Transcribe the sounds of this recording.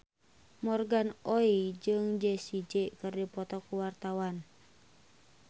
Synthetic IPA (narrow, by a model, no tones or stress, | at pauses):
mɔrɡanoid͡ʒɨŋd͡ʒɛsid͡ʒeʔkɨrdipɔt̪ɔkuwart̪awan